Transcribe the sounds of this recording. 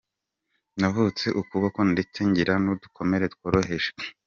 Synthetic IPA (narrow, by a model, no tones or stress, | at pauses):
navut͡se̞ʔukuβako̞ndeteɲɟiɾanudukʰo̞me̞ɾetu̥koɾohe̞ʃe̥